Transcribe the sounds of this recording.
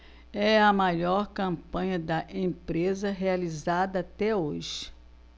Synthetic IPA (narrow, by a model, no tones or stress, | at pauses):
ɛɐmajɔɾkɐ̃pɐ̃ɲɐd̪ɐʔẽpɾezɐɦealizad̪ɐːt̪ɛoʒɪ